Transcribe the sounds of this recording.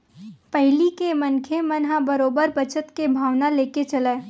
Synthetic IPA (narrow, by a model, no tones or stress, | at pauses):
pɛɦlikemənkʰemənɦãbəɾoːbəɾbət͡ʃət̪kebʱaːʋnaleːket͡ʃɐleː